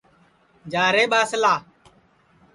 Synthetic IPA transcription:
d͡ʒaːɾeːɓaːsəlaː

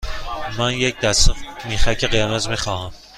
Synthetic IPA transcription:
mænjec̚d̪æsmiːxæcʰeɣejæmæzmixɒːhæm

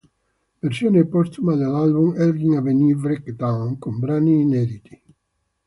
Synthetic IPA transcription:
veɾsjoːnepɔst̪umad̪elalbumɛɾd̪iŋavenivɾɛkd̪awnkombɾaniːnɛd̪it̪i̥

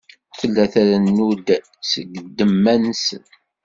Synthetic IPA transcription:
θəlːæθæɾænːud̪ | səɡəd̪ːəmːænsən

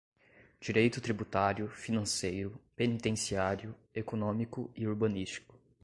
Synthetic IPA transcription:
d͡ʒiɾejt̪ʊt̪ɾibut̪aɾjʊfinɐ̃sejɾʊpenit̪ẽsiaɾjʊekonõmikʊiuɾbɐ̃nist͡ʃi̥kʊ̥

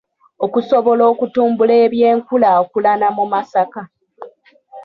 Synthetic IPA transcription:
o̞kusoβo̞lo̞ːkutuːmbule̞ːβje̞ːŋkulaokulanamumasaka

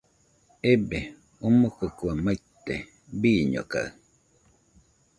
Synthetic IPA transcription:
ebe | omokokuamat̪ːe | biːɲo̰ka̰ɯ

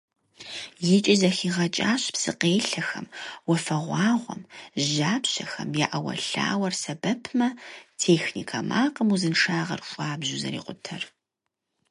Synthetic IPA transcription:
jɪt͡ʃʼɪzɐxiːʁɐt͡ʃʼaːɕpsɨ̰qeːɬɐxɐ̰mwɔfɐʁʷɑːʁʷɔ̰mʒaːpɕɐxɐ̰mjaːʔɐwɐ̰ɬa̰ːwɐrsɐbɐpʰmɐtʰeːxnḭːkʰɐmaːqʼəmuzɨnʂaːʁɐ̰rɕʷʼaːbʑuzɐ̰ɾḭːqʷʊtʰɐr

